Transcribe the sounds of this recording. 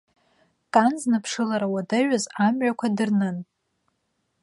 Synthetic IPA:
kʼanznɨpʰʂɨlaɾawadaɥazamɥakʷʰadɨrnɨn

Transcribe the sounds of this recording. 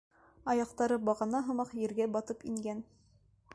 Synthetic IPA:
ɑjɑq̚t̪ɑɾɤbɑʁɑnɑɦɤ̆mɑqjɘ̆ɾɡæbɑt̪ɤpiŋɡæn

